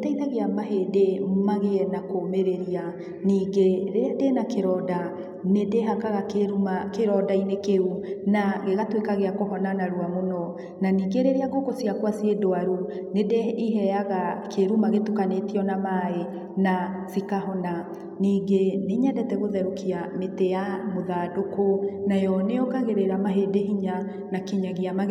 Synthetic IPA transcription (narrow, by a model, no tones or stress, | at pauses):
etaitaɣeamaɦedemmaɣeɛnakoːmeɾeɾia | niːɡeɾedenakeɾɔda | nedeɦakaɣakeɾumakeɾɔdainekeɾunaɣeɣatwekaɣeakoɦɔnanaɾuamonɔ | naniːŋɡeɾeɾeaɡokosiakwasiedoaɾu | nedeiɦɛaɣakʰeɾumaɣetukanetiɔnamaːe | nasikaɦɔna | niːɡeneɲɛdɛtɛɣoðɛɾokiametejamoðadokonajɔneɔkaɣeɾeɾamaɦedeɦiɲa | nakiɲaɣiama